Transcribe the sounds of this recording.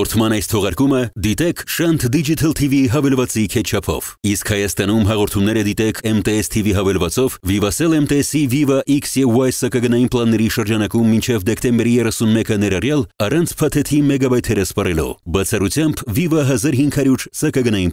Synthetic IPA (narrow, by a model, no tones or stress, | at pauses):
ɔɾt̪ʰmɑnɑjst̪ʰɔʁɑɾkuməd̪it̪ɛkʰʃɑnt̪ʰd̪id͡ʒit̪ʰəlt̪ʰiviɦɑvɛlvɑt͡sikʰɛt̪̚t͡ʃʰɑpʰɔ̰viskhɑjɑst̪ɑnumɦɑʁɔɾt̪ʰumnɛɾəd̪it̪ɛkʰɛmt̪ɛɛst̪ʰiviɦɑvɛlvɑt͡sɔvvivɑsɛlɛmt̪ɛɛsivivɑʔiksjɛvwɑjsɑkɑɡənɑjinplˠɑnːɛɾiʃəɾd͡ʒɑnɑkumːint͡ʃʰɛvd̪ɛkt̪ɛmbɛɾijɛrɛsunmɛkənɛɾɑrjɑlɑrɑnt͡sʰpʰɑt̪ʰɛt̪ʰimɛɡɑbɑjt̪ʰɛɾəspɑrɛlɔ̰bɑt͡sʰɑrut͡sʰjɑmbvivɑɦɑzɑɾɦiŋkʰhɑɾjuɾsɑkɑɡənɑjin